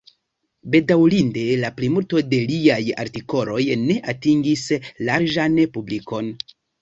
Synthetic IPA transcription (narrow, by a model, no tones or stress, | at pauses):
be̞dawlinde̞laplimulto̞de̞liaja̰ɾtiko̞lo̞jne̞ʔatiŋɡislaɾd͡ʒanpubliko̞n